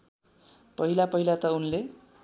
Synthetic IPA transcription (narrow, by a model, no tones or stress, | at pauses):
pʌɦilapʌɦilat̪ʌunle